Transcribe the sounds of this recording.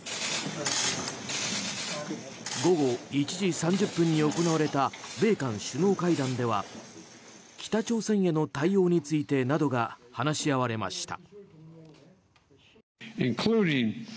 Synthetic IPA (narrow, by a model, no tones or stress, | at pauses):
ɡo̞ɡo̞it͡ɕiʑisãɲ̟d͡ʑɨpːɯ̟̃ɲ̟ːio̞ko̞naβaɾe̞t̪abe̞ːkãɰ̃ɕɨno̞ːkaid̪ãnd̪e̞βa̰ | kʲi̥t̪at͡ɕo̞ːsẽ̞ɰ̃jeno̞t̪aijo̞ːɲ̟it͡sɨit̪e̞nad̪o̞ɡahanaɕiaβaɾe̞ma̰ɕi̥t̪a̰ | ɪ̃nkʰl̥uːɾɪ̃ŋ